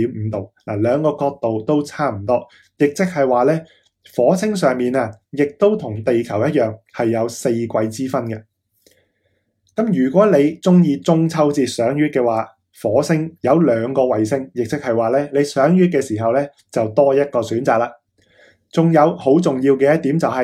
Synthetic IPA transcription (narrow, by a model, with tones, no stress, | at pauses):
i˨˧˥m̩˨˧˦t̪o˨wna̰ː˨˩lœː˨˧ŋkɔː˧kɔː˧k̚t̪o˨wt̪o˥wt͡sʰaː˥m̩˨˩t̪ɔː˥ | jɪ˨k̚t͡sɪ˥k̚hɐ˨jwaː˨lɛː˥ | fɔː˨˥t͡sʰɪ˥ŋsœː˨˩ŋmiː˨naː˧jɪ˨k̚t̪o˥wt̪ʰʊ˨˩ŋt̪e˨jkʰɐ˨˩wjɐ˥t̚jœː˨˩ŋhɐ˨jːɐ˨˧wse˧jkʷɐ˧jt͡siː˥fɐ˥nkɐ˧ | kɐ˨˥mjyː˨˩kʷɔː˨˥le˨˧jt͡sʊ˥ŋjiː˧t͡sʊ˥ŋt͡sʰɐ˥wt͡siː˧˩sœː˨˥ŋjyː˥t̚kɛː˧waː˨ | fɔː˨˥sɪ˥ŋjɐ˨˧wlœː˨˧ŋkɔː˧wɐ˨jsɪ˥ŋjɪ˨k̚t͡sɪ˥k̚hɐ˨jwaː˨lɛː˥le˨˧jsœː˨˥ŋjyː˥t̚kɛː˧siː˨˩ɦɐ˨wlɛː˥ | t͡sɐ˨wt̪ɔː˥jɐ˥t̚kɔː˧syː˨˥nt͡saː˨k̚laː˧ | t͡sʊ˨ŋjɐ˨˧who˨˥wt͡sʊ˨ŋjiː˧wkɛː˧jɐ˥t̪iː˨˥mt͡sɐ˨whɐ˨